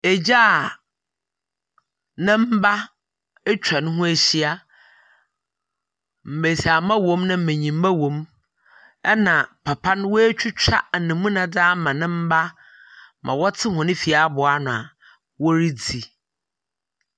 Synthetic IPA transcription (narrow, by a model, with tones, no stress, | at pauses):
e˨d͡ʑa˦˨ | nɪ̃˦m̩˦ba˦ | ɛ˦t͡ɕʰᶣa˨nʊ̃˦ɦʊ̃˦æ˨ɕi˦a˦ | m̩˨be˨sa˨mã˦wõ˦mnã˦m̩˨mẽ˨ɲĩ˨m̩˦ma˦wõ˨˦m | ɛ˦nã˨pʰa˨pʰã˦n˦wɔ˦e˦t͡ɕʰᶣu˦t͡ɕᶣa̰˦˨nɪ̃˨mũ˦nã˨da˦mã˨nɪ̃˦m̩˦ba˦ | mʔã̰˨wɔ˦tʰɪ˦ɦʊ̃˨nɪ̃˦fi˨a˨˦bʊ˨a˦nʊ̃˨a̰˨ | wɔ˦ɾi˦d͡zi˨